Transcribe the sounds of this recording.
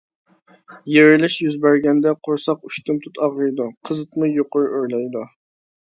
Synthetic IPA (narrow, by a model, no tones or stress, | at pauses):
jeɾɪlɪʃjyzbæɾɡʲɛnd̪ɛqʰoɾsɑq̚yʃt̪umt̪ʰut̪ʰɑʁɨjd̪uqʰəzɨt̪mujoqʊɾʔøɾlɛjd̪u